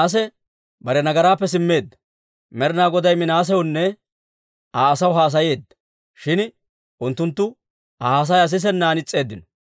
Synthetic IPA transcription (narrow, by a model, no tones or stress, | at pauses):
ʔɐs̬ɛ | bɐɾɛnɐɡɐɾaːpːɛsɪmːe̞ːd̪ːɐ̥ | mɛɾɪnaːɡɔd̪ɐjmɪnaːs̬ɛʊnːɛ | ʔaːsɐwɦaːs̬ɐje̞ːd̪ːɐ̥ | ʃɪn | ʔʊnt̪ːʊnt̪ːʊ | aːs̬ɐjɐs̬ɪs̬ɛnːaːnɪt͡sʼːe̞ːd̪ːɪnɔ̥